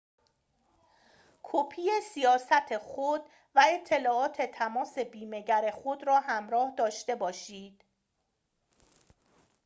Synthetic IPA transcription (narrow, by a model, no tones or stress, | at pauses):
kʰopʰiːjesijɒːsæt̪ʰexod̪̥ | væe̞t̪ʰːe̞lɒːɒːt̪ʰe̞t̪ʰæmɒːse̞biːme̞ɟæɾe̞xod̪ɾɒːhæmɾɒːhd̪ɒːʃt̪e̞bɒːʃiːd̪̥